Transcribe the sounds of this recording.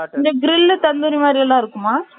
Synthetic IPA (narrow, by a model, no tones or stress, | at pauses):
ɪnd͡ʒɐɡɪɾɪlːt̪ɐnd̪ɐɾimaːd̪ɾiɛlːãːɪɾɯkːɯmaː